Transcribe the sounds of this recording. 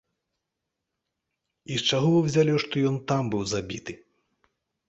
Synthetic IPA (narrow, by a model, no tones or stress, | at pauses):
ist͡ʂaɣɔvɨwzʲalʲɛʂt̪ɔjɔnt̪ambɨwzabʲit̪ɨ